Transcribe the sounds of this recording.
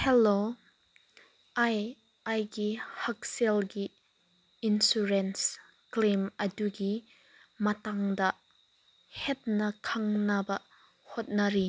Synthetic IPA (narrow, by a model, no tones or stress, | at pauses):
hɛlo | ʔaj | ajɡihɐk̚sɛlɡi | insuɾɛns | klemɐduɡi | mɐtaŋdɐʔ | hɛt̚nɐkʰɐŋnɐbɐ | hɔt̚nɐɾi